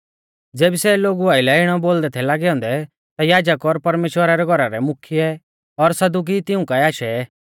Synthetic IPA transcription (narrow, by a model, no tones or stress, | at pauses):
d͡zeːbisɛloːɡuaːɪlɛɪɽ̃ɔboːld̪ɛt̪ʰɛlaːɡɛɔ̃ːnd̪ɛ | t̪ajaːd͡ʒəkɔɾpɐɾmeːʃwəɾaɾɛɡʱɔɾaɾɛmʊkʰijɛ | ɔɾsɐd̪uk̬it̪ɪũkaiaːʃɛ